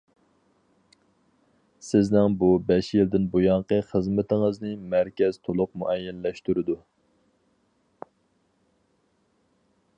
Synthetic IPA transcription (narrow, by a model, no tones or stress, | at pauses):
sɪznɪŋbubɛʃjild̪ɪnbojɑɴqəχəzmɪt̪ʰɪŋəznɪmæɾkʲɛz̥t̪ʰolˠʊqmuʔɛjːɛnlɛʃt̪uɾɪd̪u